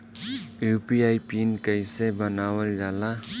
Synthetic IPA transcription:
jupiajpinkəɪsebənawəld͡ʒala

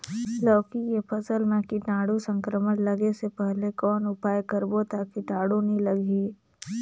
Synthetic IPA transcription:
lɔːkijepʰɐsəlmẽkiʈaːɽusə̃ŋkɾəmənlɐɡesepɛɦlekɔːnʊpaːjkəɾbot̪aːkiʈaːɽunɦĩlɐɡʱiː

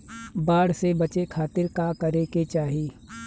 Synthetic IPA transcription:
baːɽ̤sebɐt͡ʃekʰaːt̪ɪɾkakɐɾeket͡ʃaːɦi

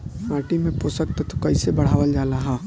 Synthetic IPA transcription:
maːʈimẽposəkt̪ət̪okəɪsebəɽ̤aːʋəld͡ʒaːlaɦã

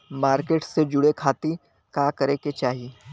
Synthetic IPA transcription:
maːɾkeːʈsed͡ʒʊɽekʰaːt̪i | kaːkɐɾẽket͡ʃaːɦi

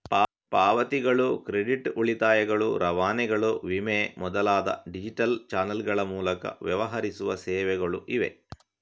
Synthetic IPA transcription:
pa | paːʋɐt̪iɡɐɭukɾeɖiʈuɭit̪aːjɐɡɐɭuɾʔɐʋaːnɛɡɐɭuʋimeːmɔd̪ɐlaːd̪ɐ̰ɖid͡ʒiʈɐlt͡ʃaːnɐlɡɐɭɐmuːlɐkɐ̰ʋjɐʋɐɦɐɾisuʋɐsɛːʋɛɡɐɭuʔiʋḛ

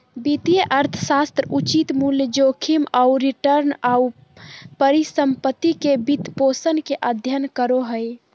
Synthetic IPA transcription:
bit̪ijəʔəɾt̪ʰəsast̪ɾəut͡ʃit̪muljəd͡ʒokʰimauɾiʈəɾnau | pəɾisəmpət̪ːikebit̪posənkeʔəd̪ʱjənkəɾoɦəj

